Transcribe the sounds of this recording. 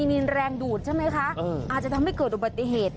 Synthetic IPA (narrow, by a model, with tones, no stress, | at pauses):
iː˧ni˧nɾɛː˧ŋduː˨˩t̪̚t͡ɕʰa˥˩jma˦˥jkʰa˦˥ɤː˧˩ʔaː˨˩t͡ɕa˨˩t̪ʰa˧mha˥˩jkɤː˨˩t̪̚ʔu˨˩ba˨˩t̪ːi˨˩ɦeː˨˩t̪̚